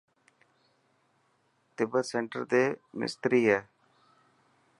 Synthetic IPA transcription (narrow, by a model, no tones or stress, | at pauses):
t̪ɪbəseɳʈə̰ɾt̪eːmɪ̰st̪ɾiːɛː